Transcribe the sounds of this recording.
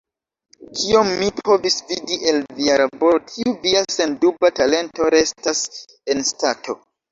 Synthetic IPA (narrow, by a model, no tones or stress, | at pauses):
kʰiomːipʰo̞visvidiʔelviaɾabotʰiuviase̞ndubatale̞nto̞ɾe̞stas | e̞nstatʰo̞